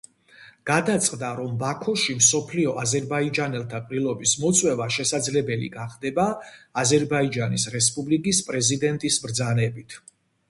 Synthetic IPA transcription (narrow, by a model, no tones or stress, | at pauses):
ɡ̥ad̪at̪sʼqʼd̪aɾɔmbakʰɔʃimsɔpʰliɔʔazɛɾbaid͡ʒanɛlˠt̪ʰapʼɾilˠɔbismɔt̪sʼwɛvaʃɛsad̪zlɛbɛlḭɡaχd̪ɛbaːzɛɾbaid͡ʒanisɾɛspʼublikʼispʼɾɛzid̪ɛnt̪ʼisbɾd̪zanɛbit̪ʰ